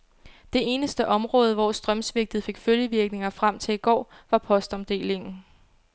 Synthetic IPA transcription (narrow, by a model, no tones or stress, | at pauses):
d̥e̝e̝ːnəsd̥əʔɒ̽mʁɔ̽ːð̞ˠəʋɒsd̥ʁɶmsʋe̝ɡ̥̚d̥ð̞̩ˠfe̝ɡ̥føljəʋiɐɡ̥ne̝ŋɐfʁam̰t͡sʰe̝iɡ̥ɒ̰ːʋɑ̈pʰɒ̽sd̥ɒmd̥e̝̰ːle̝ŋn̩